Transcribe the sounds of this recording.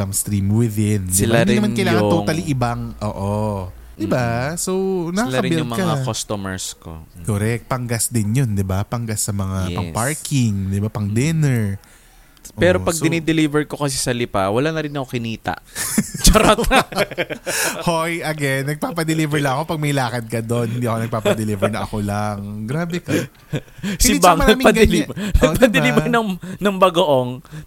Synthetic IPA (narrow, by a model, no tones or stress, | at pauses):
amst̪ɾimwɪðɪnd̪sɪɪlanːd̪ɾɪnɐmankɐjlajʊat̪oŋaliʔɪbaŋʔo̰ːʔo | d̪ɪbasownɐkalaɐɾɪnɪjʊŋmɐkaŋakost̪omɛɹsko̰koɾɛk̪̚pɐŋɡasd̪ɪnjond̪ɪbapɐŋɡasːɐmɐŋappɐpaɹkɪŋd̪ɪbapɐŋd̪ɛnɛɹ | ʔpɛːɾo̞pɐɡ̚d̪ɪnɛd̪ɪlivɛɹko̞kɐs̬ɛsɐlɪpa̰wɐlanɐɾɪnɐkokɪniːt̪a̰ʔt͡ʃɐɾat̪ | hojʔɐɡɛnːɐɡ̚paːpɐd̪ɪlivɛɹlɐŋɐko̞pɐɡ̚mɐjlaːkɐd̪̚kɐd̪onhɪnd̪iːɐkonɐɡ̚paːpɐd̪ɛlivɐɹnɐʔɐkolaŋɡɾaːbɛkɐ | sɪbaŋnɐɡmpɐlnɐɡpɐd̪ɪliːbɹnɐŋnɐŋbɐɡoʔoŋ